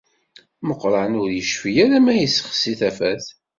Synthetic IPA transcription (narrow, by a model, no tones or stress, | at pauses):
məqːɾˤɑnʊɾjəʃfijæɾæmæjəsːə̥χsiθæfæθ